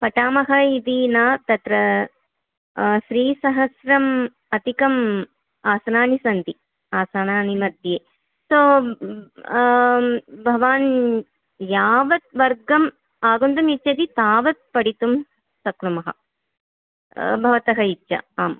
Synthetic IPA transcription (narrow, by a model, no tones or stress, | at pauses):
pɐʈaːmɐɦɐid̪iːnaːt̪ɐt̪ɾɐ | ʃɾiːsɐɦɐsɾɐm | ɐt̪ikɐm | aːsɐnaːnisɐnt̪i | aːsanaːnimɐd̪jeː | soː | bʱɐʋaːn | jaːʋɐt̪ʋɐɾɡɐm | aːɡund̪umitːt͡ʃɐd̪it̪aːʋɐt̪̚pɐɽit̪um | sɐkɾumɐɦɐ̰ | bʱɐʋɐt̪ɐɦɐitːʃɐ̰aːm